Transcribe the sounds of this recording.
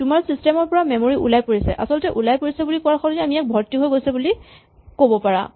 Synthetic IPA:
tʊmaɹsistɛmɔɹpɔɹamɛmoɹiʔṵlajpoɹisɛ̰ʔa̰sɔltɛʔulajpoɹisɛbulikɔaɹxɔlɛamiɛk̚bʱɔɹtːiɦojɡojsɛbuli | kobɔpaɹa̰

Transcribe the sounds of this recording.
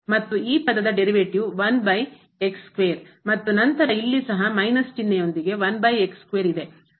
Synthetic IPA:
mɐt̪ːuiːpɐd̪ɐd̪ɐɖe̞ɾiʋeʈiʋʋɐnbɐj | ekskʋeːɾmɐt̪ːunɐnt̪ɐɾɐilːisɐɦɐmɐjnɐst͡ʃinːejo̞nd̪iɡe̞ʋɐnbɐjekskʋeːɾid̪e̞

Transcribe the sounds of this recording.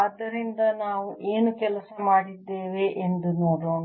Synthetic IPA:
ɐd̪ːɐɾind̪ɐnaːʋuʔeːnukɛlɐsɐmaːɽid̪ːeːʋeʔend̪unoːɽoːɳ

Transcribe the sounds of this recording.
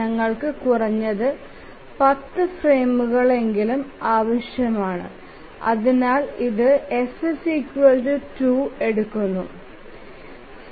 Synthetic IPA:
ɐŋːɐɭkɨkurɐɲːɐðɨ | pɐt̪ːɨfreːmuɣɐɭe̞ŋɡilumaːʋɐɕjɐmaːɳɨ̰ | ɐ̰ðinaːɭiðɨesɨsiːkwɐldɨtuːe̞ɽukːunːṵ

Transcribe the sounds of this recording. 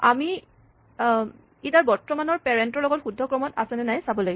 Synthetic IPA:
ami | itaɹbɔɹtːɔmanɔɹpɛɹɛntɔɹlɔɡɔtxudʱːɔkɹɔmɔtasɛnɛnajsabɔlaɡi

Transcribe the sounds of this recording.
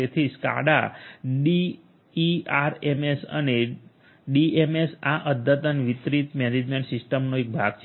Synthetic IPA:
et̪ʰiska̰ɽa̰ | i | iaɾemesə̰ne | ɖiemesaʔəd̪ʱət̪ənʋit̪ɾit̪mɛned͡ʒmeɳʈsisʈəmnoek̚bʱaɡt͡ʃʰ

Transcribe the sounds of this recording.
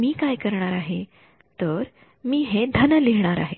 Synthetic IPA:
miːkajkəɾɳ̃aɾaɦe | t̪əɾ | miːɦed̪ʱənəliɦɳ̃aɾa̰ɦe

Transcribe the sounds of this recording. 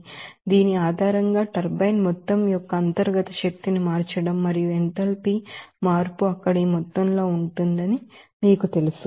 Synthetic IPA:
d̪iːniaːd̪ʱaːɾɐŋɡaːʈɐɾbɐjnmɔt̪ːɐmjɔkːɐːnt̪ɐɾɡɐt̪ɐʃɐk̚t̪inimaːɾt͡ʃɐɽɐmːɐɾijuent̪ɐlpimaːɾpuɐkːɐɽiːmɔt̪ːɐnlo̞ːuɳʈund̪ɐnimiːkut̪e̞lusu

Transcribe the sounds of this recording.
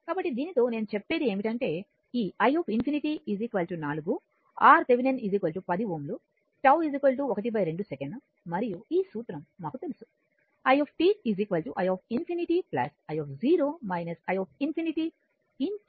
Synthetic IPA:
kaːbɐʈːid̪iːnit̪o̞ːne̞ːnut͡ʃepːe̞ːɾie̞ːmiʈɐɳʈe̞ː | iːɐjɔːpʰinpʰiniʈiizikʋɐlʈunaːluɡu | aːɾseʋinenizikʋɐlʈupɐd̪ioːmlu | ʈɐwizikʋɐlʈ̬uɔkɐʈ̬ibɐjɾe̞ɳɖusekeɳɖ | mɐɾijuiːsuːt̪ɾɐmːaːkut̪e̞lusu̥ | ɐjɔːpʰʈiːizikʋɐlʈuʔɐjɔːp̚ʰinpʰiniʈiplɐ̰sɐjɔːpʰziːɾoːmɐjnɐsɐjɔːp̚ʰinpʰiniʈi | in

